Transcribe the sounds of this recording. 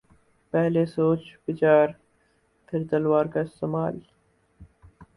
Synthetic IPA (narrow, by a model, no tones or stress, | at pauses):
pɛɦlesoːt͡ʃbɪt͡ʃaːɾ | pʰɪɾt̪ɐlwaːɾkaɪst̪emaːl